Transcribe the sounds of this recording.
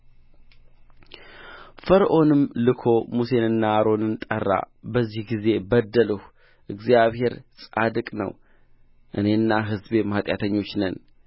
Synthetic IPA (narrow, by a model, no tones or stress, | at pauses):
fəɾʔo̞nɨmlɨkʰo̞muse̞nɨnːaaɾo̞nɨnt̪ʼərːa̰ | bəzːihɡize̞bəd̪ːələh | ʔɨɡzijaβhe̞ɾsʼad̪ɨkʼnə̰w | ʔɨneɨnːaɦɨzbemat̪ʼjat̪ʰəɲːo̞t͡ʃːnən